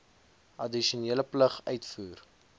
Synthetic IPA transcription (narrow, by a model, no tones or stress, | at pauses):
ɐdiʃiuoniːələpləχœɥtfuːr